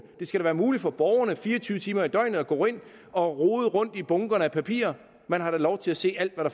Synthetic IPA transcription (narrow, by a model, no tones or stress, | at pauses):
d̥e̝sɡ̥æɾæʋæːɐmuːlid̥fɒ̽b̥ɒʊɐnəfiːɐɒt͡sʰyːʊət͡sʰiːmɐid̥ɒ̽ɪnð̩ˠɒɡ̥ɔ̰ːe̝n̰ | ɒ̽ʁoːð̩ˠʁɔ̽n̰d̥ib̥ɔ̽ŋɡ̥ɐnəæpʰæpʰḭːɐ | mænɦɑ̈ɾ̥ælɒʊt͡sʰe̝læse̝̰ːæl̰d̥ʋæɾ̥ɑ̈